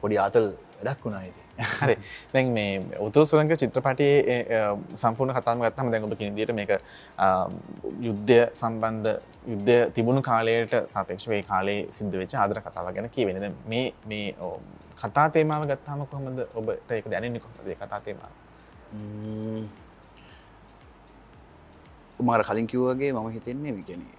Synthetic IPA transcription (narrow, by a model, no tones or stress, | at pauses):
poɖiaːt̪ɐl | ʋɛɖakːunaːid̪iaɾed̪ɛŋmeːut̪uɾusuɾəŋɡət͡ʃit̪ːɾəpaʈije | sampuːɾnəkat̪aːʋməɡat̪ːaːməd̪ɛŋobəkinid̪ijəʈəmeːkə | jud̪ːəjəsamband̪ə | jud̪ːəjət̪ibunukaːləjəʈəsaːpeːkʂɐʋeːkaːləjesid̪ʱːəʋet͡ʃːəaːd̪ɐɾəkat̪a̰ːʋaɡenəkiəʋenːid̪ɛŋmeːmeːkʰat̪aːt̪eːmaːʋəɡat̪ːaɦaməkoɦoməd̪əʔobəʈəeːkəd̪anenːikoɦomə̰d̪əeːkat̪aːt̪eːma̰ːʋə | maaɾəkaliŋkiʋuʋaɡeːmaməɦit̪enːemeːkiænḛ